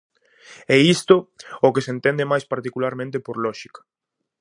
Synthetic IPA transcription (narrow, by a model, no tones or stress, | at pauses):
ɛist̪ookesent̪end̪emajspaɾt̪ikulaɾmẽnt̪̬epoɾlɔʃikḁ